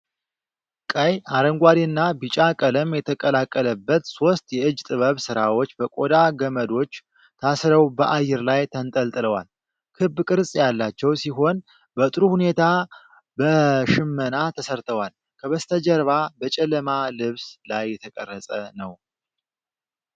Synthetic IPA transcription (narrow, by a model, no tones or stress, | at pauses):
kʼəjaɾəŋɡʷad̪iɨnːabɨt͡ʃʼakʼələmjɛt̪ʰəkʼəlakʼːələbːət̪so̞st̪jɛɨd͡ʒt̪ʼɨβəβsɨɾawo̞t͡ʃːbəkʼo̞d̪aɡəməd̪o̞t͡ʃː | t̪ʰasɾəwbəʔajːɛɾlajt̪ʰənt̪ʼəlt̪ʼɨləwa̰l | kʰɨbːkʼɨɾsʼjalːat͡ʃːɛwsiɦo̞n | bət̪ʼɨɾuhune̞t̪ʰa | bəʃɨmːənat̪ʰəsəɾt̪ʰəwal | kʰəβəst̪ʰəd͡ʒəɾβabət͡ʃʼɛlːəmalɨβslajːɛt̪ʰəkʼə̰rːəsʼənəw